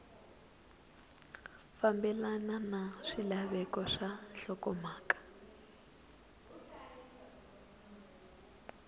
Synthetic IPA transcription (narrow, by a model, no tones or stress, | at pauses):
fambɛlananaʂilaβɛkɔʂaɬɔkɔmaːkḁ